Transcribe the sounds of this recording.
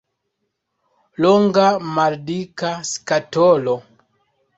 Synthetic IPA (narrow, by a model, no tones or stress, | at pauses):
loŋɡamaldikaskatolo